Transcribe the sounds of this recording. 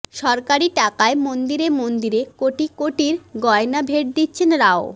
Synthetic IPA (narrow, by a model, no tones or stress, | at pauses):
ʃɔɾkaɾiʈakaemond̪iɾemond̪iɾekoʈikoʈiɾɡɔenabʱeʈ̚d̪itːɕʰenɾao